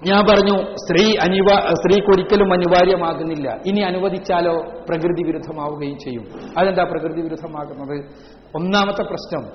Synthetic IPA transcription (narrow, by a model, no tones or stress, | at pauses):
ɲaːnpɐrɐɲːust̪riːɐniʋast̪riːkoɾikʲːɐlumɐnuʋaːɾjɐmaːɣunːilːɐ̰iniɐnuʋɐd̪it͡ɕːaːlo̞ːprɐkrɨðiʋiɾud̪ʱːɐmaːʋuɣɐjumt͡ɕe̞jːumɐðend̪aːprɐkrɨðiʋiɾud̪ʱːɐmaːɣunːɐðɨ | onːaːmɐt̪ːɐprɐɕnɐm